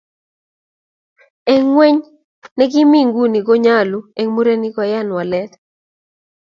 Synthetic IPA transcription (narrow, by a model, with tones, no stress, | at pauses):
ɛ˦ŋːwe˦ɲ | nɛ˦ɡi˦mi˦ŋɡu˦ni˨ɡo˦ɲa˦lu˨e˨ŋmu˦ɾe˦ni˦kɔ˨ja˦nwa˨lɛ˦t̪